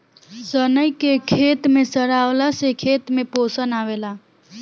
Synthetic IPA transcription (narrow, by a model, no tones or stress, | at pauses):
sənəjkekʰet̪mesəɾaolasekʰet̪meposənabela